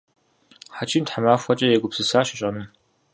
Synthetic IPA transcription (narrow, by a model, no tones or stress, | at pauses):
ħat͡ʃʰʼiːmtħamaːfʷɐt͡ʃʼɐjɛɡʷʊpsɨsaːɕɪɕʼɐnum